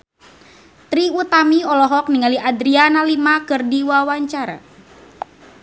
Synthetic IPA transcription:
t̪ɾiut̪amiɔlɔɦɔk̚niŋaliʔadɾianalimakɨrdiwawaɲt͡ʃaɾa̰

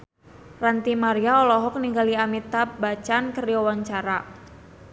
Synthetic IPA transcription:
rant̪imaɾiaɔlɔɦɔk̚niŋɡaliamit̪abat͡ʃankəriɔwaɲt͡ʃaɾa

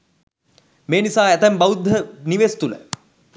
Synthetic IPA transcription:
meːnisaːɛt̪æmbɐwud̪ʱːəniʋeːst̪ulə̰

